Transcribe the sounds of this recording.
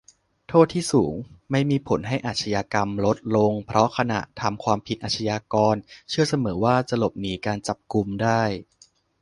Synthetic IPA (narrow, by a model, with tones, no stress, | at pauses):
t̪ʰoː˥˩t̪ʰiː˥˩suː˩˦ŋma˥˩jmiː˧pʰo˩˦nɦa˥˩jʔaː˨˩t̪̚sʰa˧jaː˧ka˧mlo˦˥t̪̚lo˧ŋpʰɾɔ˦˥kʰa˧na̰˨˩ʔt̪ʰa˧mkʰwaː˧mpʰi˨t̪̚ʔaː˨˩t͡ɕʰa˧jaː˧kɔː˧nt͡ɕʰɯ˥˩ɐsa˧mɤː˩˦waː˥˩t͡ɕa˨˩lo˨˩p̚niː˩˦kaː˧nt͡ɕa˨˩p̚ku˧mdaː˥˩j